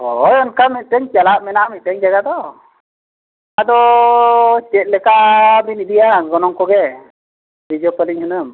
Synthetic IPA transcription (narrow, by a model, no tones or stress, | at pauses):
ɔjɔnkamit̪̚ˀʈɛɲt͡ʃalaʔmɛnamit̪̚ʈɛɲd͡ʒaɡad̪ɔ | ad̪ɔ | t͡ʃɛt̪̚ˀlɛkaʔbinidijaɡɔnɔŋkɔɡɛ | bid͡ʒɔpəliɲhunəm